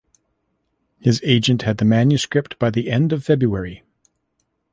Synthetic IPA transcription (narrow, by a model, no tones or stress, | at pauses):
hɨzeɪd͡ʒɨ̃nʔhɨd̪̚ðɨmæ̃njɨskɹɪp̚t̚b̥aɪðiʔɛ̃ndʌv̥fɛbɹuɛɹi